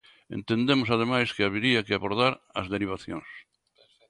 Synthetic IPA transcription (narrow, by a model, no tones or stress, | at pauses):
ḛ̃nt̪end̪emosað̞emajskɪaβiɾiakɪaβoɾðaɾɐ̰zðeɾiβ̞aθjõ̰ŋs